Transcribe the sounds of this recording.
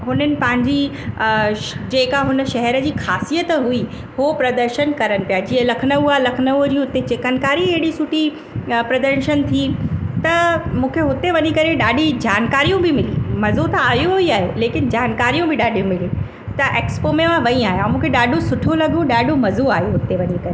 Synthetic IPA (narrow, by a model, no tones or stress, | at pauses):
ɦʊnənɪ̆pɐ̃ɦɪ̃ɲd͡ʑi | d͡ʑeːkaɦʊnə̆ʃɐɦɛɾə̆d͡ʑiːxʰaːsijət̪əɦʊi | hopɾɐd̪əɾʃənkɐɾənɪ̆pijad͡ʑiːə̃lɐkʰnəʋuaːlɐkʰnəʋud͡ʑiːɦʊt̪et͡ɕeːkənkaːɾiɐɦɪɽisʊʈʰi | pɾɐd̪əɾʃənt̪ʰit̪ɐmũːkʰeɦʊt̪eʋɐɲikɐɾeɗaːɖʱid͡ʑaːnkaːɾijũbʱɪmɪlimɐzot̪ʰãaːjoɦʊiaːɦeleːkɪnd͡ʑaːnkaːɾijũbʱɪɗaːɖ̤ʱijũmɪli | t̪ɐʔeːkspomẽʋãʋɐĩaːɦeãmũːkʰeɗaːɖosʊʈʰolɐɡoɗaːɖomɐzoaːɦeɦʊt̪eʋɐɲikɐɾe